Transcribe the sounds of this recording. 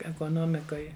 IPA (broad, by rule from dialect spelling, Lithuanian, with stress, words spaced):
ɛkoːˈnoːmʲɪkoːj